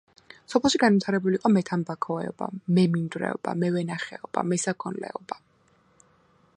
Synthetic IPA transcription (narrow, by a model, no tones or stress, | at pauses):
sɔpʰɛlˠʃiɡanvit̪ʰaɾɛbuliːqʼɔmɛt̪ʰanbakʰɔɛɔb̥a̰mɛmind̪ɾɛ̰ɔba̰mɛvɛnaχɛɔb̥a̰mɛsakʰɔnlɛ̰ɔba